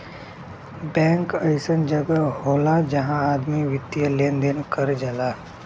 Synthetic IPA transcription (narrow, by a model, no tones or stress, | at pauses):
bɛ̃ːŋkəɪsənd͡ʒəɡəɦoːlad͡ʒɐɦãaːd̪miʋɪt̪ːjəleːnd̪ɪnkəɾd͡ʒəlaː